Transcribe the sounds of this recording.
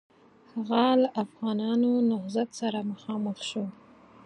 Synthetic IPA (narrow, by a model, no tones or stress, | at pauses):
haɣalaʔafɣɑnɑnonʊhzat̪saɾamaxɑməxʃo